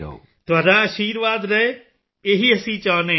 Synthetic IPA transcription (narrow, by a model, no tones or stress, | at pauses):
t̪ʊaːɖãːəʃiːɾʋaːd̪ɾəeː | eɦiːəsĩːt͡ʃaːneː